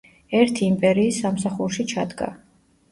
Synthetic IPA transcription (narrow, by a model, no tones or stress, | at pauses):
ɛɾt̪ʰiːmpʼɛɾiːsːamsaχuɾʃit͡ʃʰad̪ɡa̰